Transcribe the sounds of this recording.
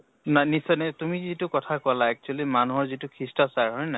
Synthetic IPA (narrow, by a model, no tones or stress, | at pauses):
nanisɔjnatumizitukɔtʰakɔlaɛk̚t͡ʃualimanuɦɔɹzitukʰɹistasaɹɦɔjna